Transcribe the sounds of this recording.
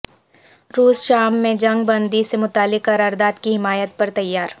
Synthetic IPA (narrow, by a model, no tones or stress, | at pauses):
ɾuːsʃaːmːẽd͡ʒɐ̃ŋɡ̚bɐ̃nd̪isemʊt̪aːlɪkːɐɾaːɾd̪aːt̪kiɦɪmaːjət̪̚pɐɾt̪ɐjːaːɾ